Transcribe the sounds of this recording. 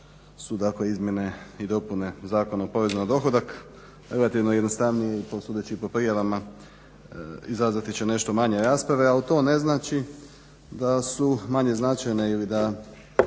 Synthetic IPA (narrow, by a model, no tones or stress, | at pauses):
sud̪akle̞izmje̞ne̞id̪o̞pune̞zaːko̞naopoʋezanad̪o̞xod̪ak | ɾe̞lat̪iʋnojed̪no̞st̪aʋnijeiposuːd̪et͡ɕipo̞pɾijaʋama | izazʋat̪it͡ɕene̞ʃt̪o̞maɲeɾaspɾaʋe̞alit̪o̞ːne̞znaːt͡ʃi | d̪asumaɲe̞znat͡ʃajne̞ilid̪a